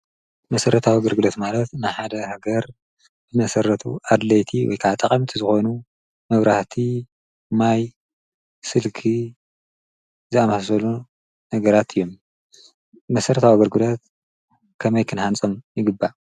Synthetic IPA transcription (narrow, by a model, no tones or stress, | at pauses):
mɐsɐɾɐt̪ʰawiaɡɐɾɡɨlot̪malɐt̪nɨħad̪ɐhaɡɐɾ | zɨmɐsɐɾɐt̪ʰṵad̪lɐjt̪ʰiwɔ̰jkʰaʕt̪ʼɐχʼɐmt̪ʰizɨxonu | mɐβɾaht̪ʰi | maj | sɨlkʰi | zɨamassɐlu | nɐɡɐɾat̪ʰɨjːom | mɐsɐɾɐt̪ʰawaɡɐɾɡɨlot̪ | kʰɐmɐjkʰɨnhant͡sʼɐmjɪɡɨbːa